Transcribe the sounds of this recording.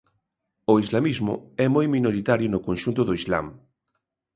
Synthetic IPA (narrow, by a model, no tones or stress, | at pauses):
oizlamizmʊ̰ɛmojmĩnoɾit̪aɾjʊnokõnʃunt̪ʊðoizla̰m